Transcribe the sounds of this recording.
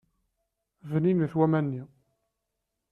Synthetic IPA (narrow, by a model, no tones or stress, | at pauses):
vniməθwæmænːi